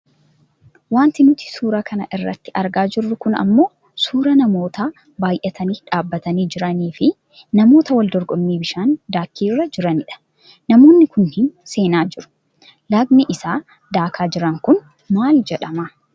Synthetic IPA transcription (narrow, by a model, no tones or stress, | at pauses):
waːnt̪ɪnʊt̪ɪ̥suːɾɐkʰɐnɐ̰ʔɪrːɐ̰t̪ːɪʔɐɾɡaːd͡ʒɪrːʊkʊnɐ̰mːo̞ː | suːɾɐnɐmo̞ːt̪aː | baːjʔɛt̪ʰɐniːᶑaːbːɐt̪ɐniːd͡ʒɪɾɐniːfɪ | nɐmo̞ːt̪ɐwɐld̪ɔɾɡʼɔmmːiːbɪʃaːnd̪aːkːiːrːɐd͡ʒɪɾɐnɪᶑɐ̥ | nɐmo̞ːnːɪkʊnhɪnse̞ːnaːd͡ʒɪɾʊ̥ | lɐɡnɪʔɪsaː | d̪aːkʰaːd͡ʒɪɾɐŋkʊn | maːld͡ʒɛᶑɐmaː